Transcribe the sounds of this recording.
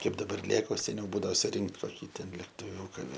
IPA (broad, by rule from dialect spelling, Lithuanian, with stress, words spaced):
ˈkɐɪp dɐˈbɐr ˈlʲeːk oː sʲɛˈnʲɛʊ ˈbuːdɐoː sʊˈrʲɪŋkt koːˈkʲiː tʲɛn lʲɛktʊˈʋʲuːkɑː